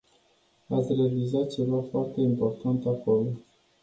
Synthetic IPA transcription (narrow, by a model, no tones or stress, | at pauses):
at̪sʲrealizat̪̚t͡ʃe̞vafoart̪e̞impo̞rt̪ant̪akolo